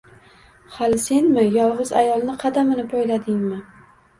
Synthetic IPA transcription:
halɪse̞nmɪjɒlˠʁɨza̰jɒlˠnɪqʰɑd̪amɪnɪpʰɒjlad̪ɪŋmɪ

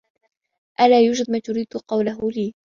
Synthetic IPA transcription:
ʔalaːjʊːd͡ʒɪd̪̚maːt̪ʊɾiːd̪qɑwlaɦʊliː

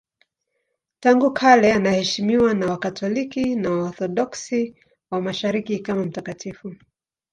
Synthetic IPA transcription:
taŋɡukʰalɛanahɛʃimiwanawakatʰɔlikinawaɔθɔɗɔksi | wamaʃaɾikikamam̩takatifu

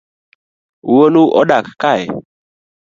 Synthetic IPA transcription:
wonũʔɔ̰ɗakkaɛ̰

